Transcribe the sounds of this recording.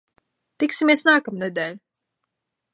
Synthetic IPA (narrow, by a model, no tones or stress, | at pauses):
t̪iksimʲiɛsnaːkamnɛd̪ɛːlʲu